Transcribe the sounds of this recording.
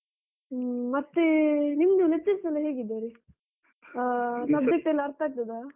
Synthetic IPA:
mɐt̪ːenimd̪unet͡ʃːɐɾsɐlːɐɦeːɡid̪eɾi | sɐbd͡ʒɐk̚ʈɐlːɐɾt̪aːk̚t̪ɐd̪a

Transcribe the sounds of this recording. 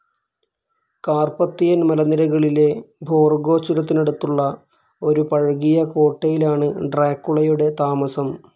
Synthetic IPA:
kaːrpɐt̪ːijɐnmɐlɐnːiɾɐɣɐɭile̞bʱo̞ːrɡo̞ːt͡ɕːuɾɐt̪̬ːine̞ɽut̪ːuɭːɐ | o̞ɾupɐɻɣijɐko̞ːʈːejilaːɳɨɖraːkːuɭɐjuɽe̞t̪aːmɐsɐm

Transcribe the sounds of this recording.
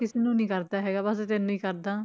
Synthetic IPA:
kɪseːnũːnĩːkəɾd̪aːɦɛːɡaːbəst̪ɛːnũːiːkəɾd̪aː

